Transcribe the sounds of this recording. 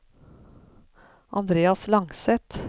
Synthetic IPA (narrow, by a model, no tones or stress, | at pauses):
ʔɑ̰nd̪ɾeːɑslɑŋsɛt̪